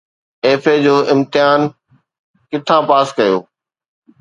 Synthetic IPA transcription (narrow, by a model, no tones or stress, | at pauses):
eːfed͡ʑoːʔɪ̃mt̪ɪjaːn | kɪt̪ʰãːpaːskɐjoː